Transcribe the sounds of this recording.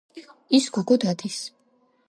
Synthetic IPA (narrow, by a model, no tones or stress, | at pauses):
isɡuɡɔd̪ad̪is